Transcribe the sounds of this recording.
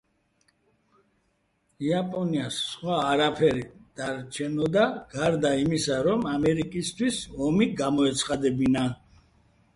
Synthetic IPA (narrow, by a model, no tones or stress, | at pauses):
iapʼɔniasːχwaːɾapʰɛɾid̪̥aɾt͡ʃʰɛnɔd̪aɡ̥aɾd̪aimisaɾɔmamɛɾikʼist̪ʰwisɔmiɡamɔɛt̪sʰχad̪ɛbina